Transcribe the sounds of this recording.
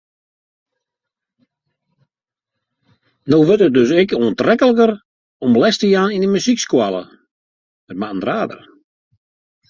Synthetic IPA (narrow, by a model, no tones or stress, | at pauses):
nowʋøtət̚døsɪkoəntrɛkəlˠəkər | ɔmblɛstəjaːninəmysikskwalˠə̰ | ət̚maəndraːdə̰r